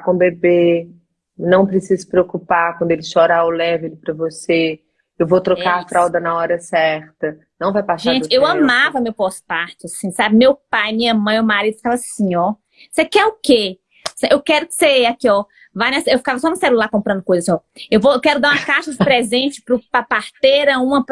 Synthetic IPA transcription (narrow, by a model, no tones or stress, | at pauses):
kõbebe | nɐ̃w̃pɾesizʊsɪ̥pɾeokupakwɐ̃nd̪ʊelɪʃɔɾaʊlɛvelɪpɾɐvose | ewvot̪ɾɔkaafɾawd̪ɐnɐɔɾɐsɛɾt̪ɐnɐ̃w̃vajpasʒẽdt͡ʃɪewɐ̃mavɐmewpɔspaɾt͡ʃɪasĩsabɪmewpajmĩɲɐmɐ̃j̃mewmaɾid̪ʊft̪avɐsĩɔ | sekɛʊke | seewkɛɾʊkɪ̥seakiɔ | vajnɐsewfi̥kavɐsɔnũselulaɾkõmpɾɐ̃nd̪ʊkojzɐsɔewvoewkɛɾʊd̪aũɐkaʃɐspɾɛzẽnt͡ʃɪ̥pɾʊpɾɐpaɾt̪eɾɐũmɐp